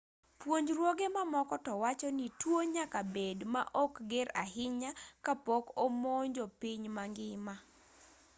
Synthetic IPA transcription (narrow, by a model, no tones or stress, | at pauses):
pwoɲd͡ʒɾwoɡemamɔkɔtɔwat͡ʃɔnitwoɲakabedma̰ʔɔkɡɪɾahɪɲakapɔkomoɲd͡ʒopiɲmaŋɡɪma